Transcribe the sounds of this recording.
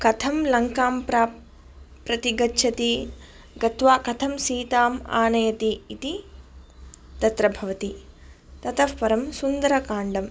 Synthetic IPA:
kɐt̪ʰɐmlɐŋkaːmpɾaː | pɾɐt̪iɡɐtːʃʰɐt̪i | ɡɐt̪ʋaːkɐt̪ʰɐmsiːt̪aːma̰ːnɐjɐt̪iːt̪i | t̪ɐt̪ɾɐbʱɐʋɐt̪i | t̪ɐt̪ɐfpɐɾɐmsund̪ɐɾɐkaːɳɖɐm

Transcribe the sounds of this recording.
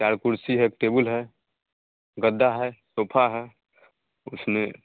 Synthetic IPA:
t͡ʃaɾkuɾsiɦɛkʈebəlɦɛ | ɡəd̪ːaɦɛsoːpʰaɦɛ | ʊsme

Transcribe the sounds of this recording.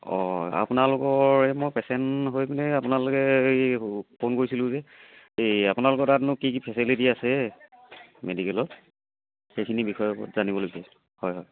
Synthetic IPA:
ɔ̰a̰pʊnalʊkɔɹɛmojpɛsɛntɦojbinɛapʊnalʊkɛjpʰonkoɹisilʊ̃zɛ | eapʊnalʊk̬ɔtatnʊkik̬ipʰɛsilitiasɛ | medikɛlɔt | xejkʰinibixɔjɔɔ̰tzanibɔloɡsas | hɔjɦɔj

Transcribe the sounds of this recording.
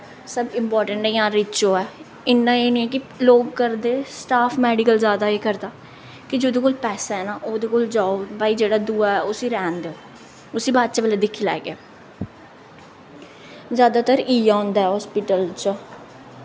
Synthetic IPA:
səbɪmpɔːɾʈəɳʈɛːjãːɾɪt͡ʃoːɛː | ɪnːãːeːnĩːɛːk̬ɪloːɡkəɾd̪eːsʈaːpʰmɛːɖɪkəlzjaːd̪aːeːkəɾd̪aː | kɪd͡ʒoːd̪eːkoːlpɛːsaːɛːnaːʔoːd̪eːkoːld͡ʒaːobaːiːd͡ʒeːɽaːd̪uːaːɛːʊsiːɾɛːnd̪eːoː | ʊsiːbaːd̪t͡ʃaːbeːleːd̪ɪkʰːiːlɛ̰ːɡaː | zjaːd̪aːt̪əɾiːjaːõːnd̪aːɛːɦɔːspɪʈəlt͡ʃ

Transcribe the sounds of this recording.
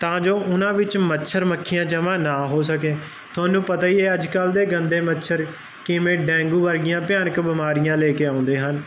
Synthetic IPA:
t̪ãːd͡ʒoːʔʊnãːʋɪt͡ʃmətːʃʰəɾməkʰːɪjãːd͡ʒəmãːnaːɦoːsək̬eː | t̪ʰʊaːnũːpət̪aːieːəd͡ʒkəld̪eːɡənd̪eːmətːʃʰəɾ | kɪmẽːɖɛ̃ːŋɡuːʋəɾɡɪjãːpjaːnəkbəmaːɾɪjãːleːkeːãːʊ̃nd̪eːɦən

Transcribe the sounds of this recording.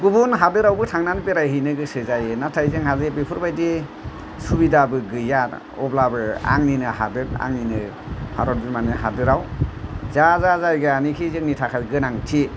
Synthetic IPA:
ɡubunɦadɯɾawbɯtʰaŋnanbeɾajɦɯjnɯɡɯsɯzajɯnatʰajzɯŋɦazɯbepʰuɾbajdi | subidabɯɡɯjat | ɔ̰blabɯa̰ŋninɯɦa̰dɯt̚a̰ŋninɯ | haɾɔt̚bumanɯɦadɯɾawzazazajɡɯanikʰizɯŋnitʰakʰajɡɯnaŋtʰi

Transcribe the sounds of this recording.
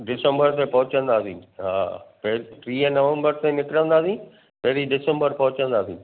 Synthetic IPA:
ɖɪsə̃mbəɾt̪ẽpɐɦʊt͡ɕə̃nd̪aːsĩːɦa̰ːpɐɦpɾiːənɐʋə̃mbəɾt̪ẽnɪkɾə̃nd̪aːsĩ | pɐɦɪɾiɖɪsə̃mbəɾpɐɦʊt͡ɕə̃nd̪aːsḭ̃ː

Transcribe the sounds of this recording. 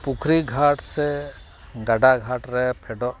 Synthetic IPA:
pukʰɾiɡʱaʈsɛ | ɡaɖaɡʱaʈɾɛpʰɛɖɔʔ

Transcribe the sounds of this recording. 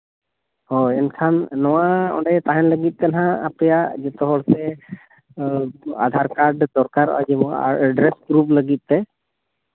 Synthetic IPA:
hɔɛnkʰanːɔwaɔ̰̃ɳɖɛt̪aɦɛnləɡit̪̚ˀt̪ɛnaɦãa̰pɛjaʔd͡ʒɛt̪ɔɦɔɽsɛ | a̰d̪ʱaɾkaɾɖd̪ɔɾkaɾɔ̰d͡ʒɛmɔ̰ɖɾɛsɡɾup̚ləɡit̪̚ˀt̪ɛ

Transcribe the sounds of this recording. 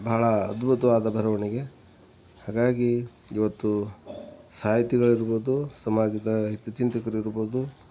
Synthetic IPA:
bʱaːɭɐːd̪bʱut̪ɐʋaːd̪ɐbʱɐɾɐʋɐɳiɡe̞ | haːɡaːɡi | iʋɐt̪ːu | saːɦit̪iɡɐɭiɾuboːd̪usɐmaːd͡ʒɐd̪ɐɦet̪jɐt͡ʃint̪ɐkɐɾiɾuboːd̪u

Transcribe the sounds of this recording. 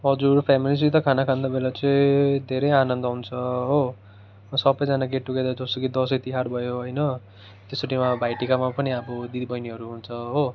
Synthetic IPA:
ɦʌd͡zuɾpʰjamilis̬it̪ʌkʰanakʰand̪abelat͡sʌĩd̪ʱeɾʌjanʌnd̪ʌɦunt͡sʰʌɦo | sʌbʌjd͡zanaɡeʈːuked̪ad͡zʌst̪okid̪ʌsʌjt̪iɦarbʱʌjoɦʌjnʌ | t̪esoʈimabʱajʈikamapʌniʌbʌd̪id̪ibʌjniɦʌɾuɦunt͡sʰʌɦo

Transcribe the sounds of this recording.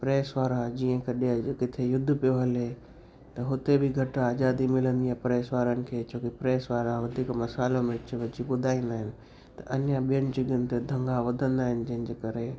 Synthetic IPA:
pɾeːsʋaːɾad͡ʑiːə̃kɐɗekɪt̪ʰejʊd̪ʱːʊpijoɦɐlɦe | t̪ɐɦʊt̪ebʱɪɡʱɐʈaːzaːd̪imɪlə̃nd̪ijapɾeːsʋaːɾənɪ̆kʰeːt͡ɕoːkepɾeːsʋaːɾãʋɐd̪ʱiːkmɐsaːlomɪɪt͡ɕʋɐd͡ʑiɓʊd̪ʱaːĩːnd̪aːɦɪnɪ̆ | t̪ɐʔɐnjaɓijənɪ̆t͡ɕɪɡənɪ̆t̪ed̪ʱɐ̃ŋɡaʋɐd̪ʱə̃nd̪aːɦɪnɪ̆d͡ʑɐ̃ɦɪ̃n̆d͡ʑeːkɐɾe

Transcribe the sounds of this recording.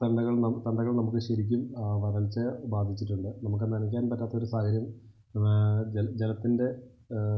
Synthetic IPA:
t̪ɐɳɖɐɣɐɭnɐt̪ɐɳɖɐɣɐɭnɐmukːɨɕɐɾikʲːumʋɐrɐɭt͡ɕːɨbaːd̪ʱit͡ɕːiʈːuɳɖɨnɐmuk̬ːɨnɐnɐkʲːaːnpɐtːaːt̪ɐo̞ɾusaːɡɐɾjɐm | d͡ʑelɐt̪ːinde̞

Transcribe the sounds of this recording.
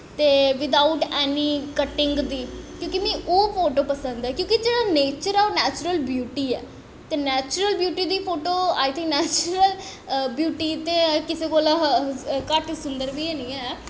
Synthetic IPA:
t̪eːʋɪd̪aʊʈɛːniːkəʈɪ̃ŋɡd̪iːkjõːkimɛ̃ːʔoːpʰoːʈoːpəsə̃nd̪ɛːkjõːkid͡ʒeːɽaneːt͡ʃəɾɛːonɛːt͡ʃʊɾəlbjuːʈiːɛː | t̪eːnɛːt͡ʃʊɾəlbjuːʈiːd̪iːpʰoːʈoːaːɪt̪ʰɪ̃ŋknɛːt͡ʃəɾəl | bjuːʈiːt̪eːkɪseːkoːlakəʈsʊnd̪əɾʋiːɛːnĩːɛː

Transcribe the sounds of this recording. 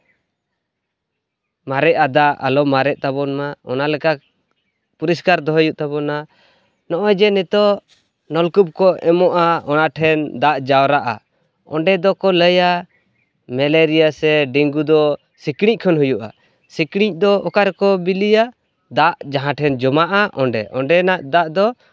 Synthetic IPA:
maɾɛʔad̪aʔa̰lɔmaɾɛʔ̚t̪abɔnmaɔnalɛka | puɾiskaɾd̪ɔɦjuʔt̪abɔna | nɔʔɔjd͡ʒɛnɛt̪ɔ | nɔlkub̚kɔɛmɔʔaɔnaʈʰɛnd̪aʔd͡ʒawɾaʔa̰ | ɔ̰ɳɖɛd̪ɔkɔləja | mɛleɾijasɛɖiŋɡud̪ɔ | sikɽic̚ˀkʰɔnɦujuʔa̰ | sikɽ̃ic̚d̪ɔɔkaɾɛkɔbilija | d̪aʔd͡ʒaɦãʈʰɛnd͡ʒɔmaʔaʔɔɳɖɛ̰ʔɔɳɖɛnaʔd̪aʔd̪ɔ

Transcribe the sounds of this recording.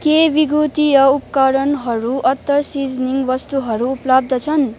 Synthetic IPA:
kebiɡut̪ijʌupkʌɾʌnɦʌɾuʔʌt̪ːʌrsid͡zniŋɡʋʌst̪uɦʌɾuːplʌb̚d̪ʱʌt͡sʰʌn

